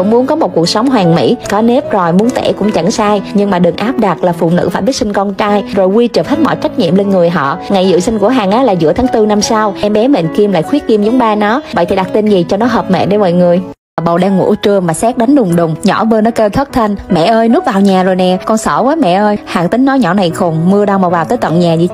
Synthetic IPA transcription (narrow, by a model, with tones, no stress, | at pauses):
ʊ̰˧˥ŋ͡mmu˨˦ənkɔ˨˦mo˨˩t̚ku˨˩ək̚sa˨˦wŋ͡mɦwaː˨˩ŋmḭ˧˥kɔ˨˦ne˦˥p̚zo˨˩jmu˨˦ənt̪ḛ˧˩kʊ̰˧˥ŋ͡mt͡ɕa˧˩ŋsaː˧jɲɨ˧ŋmaː˨˩ɗɨ˨˩ŋʔaː˦˥p̚ɗa˨˩t̚laː˨˩fṵ˧˨nɨ̰˧˥faː˧˩jɓi˦˥ksï˧ŋ̟kɔ˧nt͡ɕaː˧jzo˨˩jwi˧t͡ɕɨː˨˩p̚hə˦˥t̚mɔ̰˧˨jt͡ɕa˦˥k̟̚ɲḭ˧˨əmle˧nŋɨ˨˩əjɦɔ̰˧˨ŋa˨˩jzɨ̰˧˨sï˧ŋ̟ku˧˩əɦaː˨˩ŋʔaː˨˦laː˨˩zɨ̰˧˥ət̪ʰaː˨˦ŋt̪ɨ˧na˧msa˧wʔɛ˧mɓɛ˨˦mï˨˩ŋ̟ki˧mla̰ː˧˨jxwi˦˥ət̚ki˧mzwŋ͡mɓaː˧nɔ˨˦və̰˧˨jt̪ʰi˨˩ɗa˨˩k̚t̪i˧nzi˨˩t͡ɕɔ˧nɔ˨˦ɦəː˨˩p̚mɛ̰˧˨ɗe˧˦mɔ̰˧˨jŋɨ˨˩əj | ɓə˨˩wɗaː˧ŋːṵ˧˥t͡ɕɨ˧˩əŋmaː˨˩sɛ˦˥k̚ɗa˨˦jŋ̟ɗʊ˨˩ŋ͡mɗʊ˨˩ŋ͡mɲɔ̰˧˥vəː˧nɔ˨˦kəː˧t̪ʰə˦˥t̚t̪ʰə˧nmɛ̰˧˨ʔəː˧jnɨ˦˥vaː˨˩wɲaː˨˩zoː˨˩jnɛ˨˩kɔ˧nsɔ˧˩vəː˨˦jmɛ̰˧˨ʔəː˧jhaː˨˩ŋt̪ï˨˦ŋ̟nɔ˨˦ɲɔ˧˩na˨˩jxo˨˩ŋmɨ˧əɗaː˧wm˨˩wvaː˨˩wt̪əː˨˦jt̪wə̰˧˨nɲaː˨˩zi˧˩